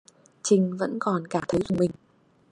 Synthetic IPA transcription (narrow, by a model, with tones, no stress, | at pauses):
t͡ɕï˨˩ŋ̟və̰˧˥nkɔ˨˩nkaː˧˩t̪ʰə˨˦jzʊ˨˩ŋ͡mmï˨˩ŋ̟